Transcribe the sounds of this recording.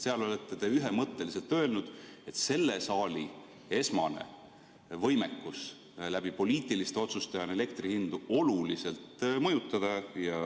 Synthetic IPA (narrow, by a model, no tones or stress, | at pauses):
seɑlo̞let̪ːe̞t̪e̞yɦe̞mɤt̪ːe̞lise̞lt̪ø̞e̞lnud̪̥e̞t̪se̞lːe̞sɑːli | e̞smɑne̞̰ | vɤ̞jme̞kːus | læb̥ipo̞lʲiːt̪ːˑilist̪eo̞t̪sust̪ejɑnele̞kt̪rihind̪uo̞lulise̞lt̪ˑmɤjut̪ːˑɑd̪̥ɑjɑ